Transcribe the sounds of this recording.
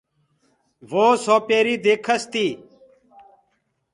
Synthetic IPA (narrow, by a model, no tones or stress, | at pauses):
ʋoːsoːpeːɾiːd̪eːkʰəst̪iː